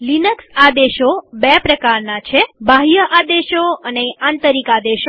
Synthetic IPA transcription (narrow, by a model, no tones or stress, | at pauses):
linəksad̪eʃobɛpɾəkaɾnat͡ʃʰebʱaɦijəʔad̪eʃoəneant̪əɾikad̪eʃo